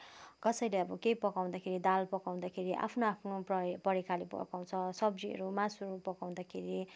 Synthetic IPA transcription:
kʌsʌjleʌbʌkejpʌkaw̃d̪akʰeɾid̪alpʌkaw̃d̪akʰeɾiʔa̰pʰnoapʰnoppʌɾikʰalepʌ̰kaw̃t͡sʰʌsʌbd͡ziɦʌ̰ɾumasʌɾupʌkaw̃d̪akʰeɾi

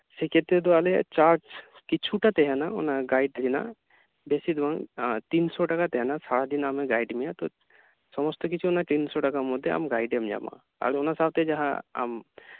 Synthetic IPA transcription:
seket̪ed̪ualet͡ʃaɾ | kit͡ʃʰuʈat̪eɦanao̰naɡaiɖɡina̰ | besid̪uãŋt̪insɔʈɐkat̪eɦɛnasaɽad̪inamẽɡajɖmijat̪ɔ | sɔmɔst̪ɔkit͡ʃʰunat̪insɔʈakamɔd̪ʱːea̰mɡaːjɖemd͡ʒa̰mã̰ | a̰ːlonasab̚t̪ed͡ʒaɦã̰a̰m

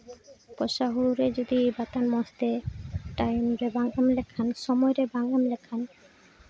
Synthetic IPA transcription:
pɔʃaɦuɾuɾed͡ʑod̪ibat̪anmɔst̪eʈajmɾebaŋɡamlekʰanʃɔmɔjɾebaŋɡamlɛkʰan

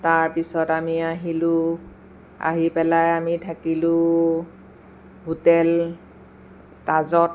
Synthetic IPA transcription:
taɹpisɔtamiaɦilʊ̃ | a̰ɦipɛlajamitʰakilʊ | ɦutɛl | tazɔt

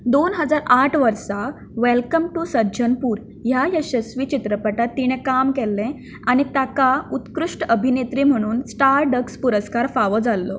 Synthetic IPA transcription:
d̪onɦəd͡zaɾaʈʰʋəɾsa | ʋɛlkəmʈusəɾd͡ʑʱənpuːɾ | jajəɕəsʋit͡ɕit̪ɾəpəʈat̪ːiɽ̃ɛ̃kamkɛlːɛ̃ | aɽ̃it̪jakaut̪kɾuʂʈəəbʱinet̪ɾiːm̤əɽ̃uːnsʈaɾɖəkspuɾəskaɾfaʋəd͡zalːɔ

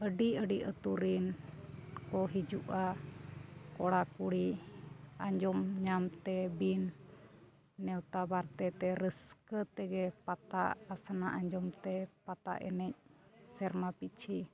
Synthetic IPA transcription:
əɖiəɖiʔət̪uɾin | kɔɦid͡ʒuʔa | kɔɽakuɽi | aɲd͡ʒɔmɲamt̪ɛbin | ɛwt̪abaɾt̪ɛt̪ɛɾəskət̪ɛɡɛpat̪aʔasanaʔaɲd͡ʒɔmt̪ɛpat̪a̰ʔɛ̰nɛc̚sɛɾmapit͡ʃʰi

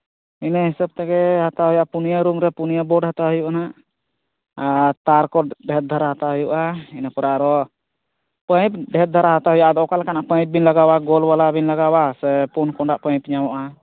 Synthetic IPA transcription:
inɛɦɛsəb̚t̪aɡɛɦat̪aɦɔjaʔpunijaɾumɾɛpunijabɔɖhat̪aɦujuʔanaʔ | t̪aɾkɔɖʱɛt̪̚d̪ʱaɾaɦat̪aɦɔjuʔainapɔɾaɾɔ | pə̃jp̚ɖʱɛt̪̚d̪ʱaɾaɦat̪aɦɔjaʔad̪ɔɔkalakanaʔpəj̃p̚binlaɡawaɡɔlbalabinlaɡawasɛpunkɔɳɖaʔpəj̃pɲamɔʔa

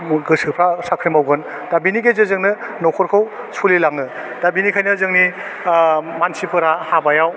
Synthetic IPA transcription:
ɡɯsɯpʰɾasakʰɾijmawɡɯn | dabiniɡezɯzɯŋnɯnɔwkʰɔɾkʰɯw | sʰulilaŋɯ | d̥abinikʰajnɯzɯŋni | mansipʰɯɾahabajaw

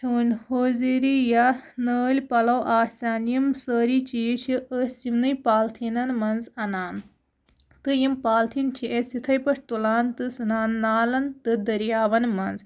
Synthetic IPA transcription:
t͡ʃʰuːnʲhoːziɾijanəːlʲpɐlɐwʔaːsʲaːnjimsəːɾit͡ʃiːt͡ʃʰiəsimnɨjpaːlt̪ʰinɐnmɐnzɐnaːn | t̪ɨjimpaːlt̪ʰint͡ʃʰiʔesit̪ʰɐjpɐʂt̪ulaːnt̪ɨsɨnaːnːaːlɐnt̪ɨd̪ɐɾjaːʋɐnmɐnz

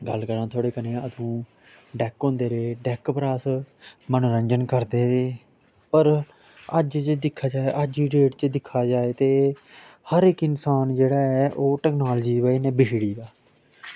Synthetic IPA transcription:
ɡə̰lkəɾãːt̪ʰoːɽeːkənẽːət̪ʰũː | ɖɛːkɦõːnd̪eːɾeːɖɛːkpɾaːsmanũːɾəɲd͡ʒənkəɾd̪eːɾeː | pəɾ | əd͡ʒt͡ʃd̪ɪkʰːaːd͡ʒaːeʔəd͡ʒiɾeːʈt͡ʃəd̪ɪkʰːaːd͡ʒaːeːt̪eː | həɾɪkɪnsaːnd͡ʒeːɽaːɛːʔoːʈɛːknaːld͡ʒiːʋəenɛːbɪʃɽiːd̪aː

